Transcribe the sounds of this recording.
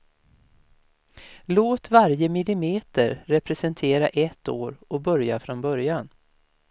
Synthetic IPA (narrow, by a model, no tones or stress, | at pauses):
loːt̪vaɾjəmɪlɪmeːt̪əɾɾɛpɾɛsɛnt̪ʰeːɾaʔɛt̪ːo̰ːɾɔbœɾjafɾɔnbœɾjan